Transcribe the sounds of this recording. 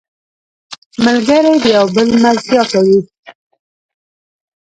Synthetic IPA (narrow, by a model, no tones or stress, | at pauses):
məlɡəɾajd̪əjawbəlmazzjɑt̪awi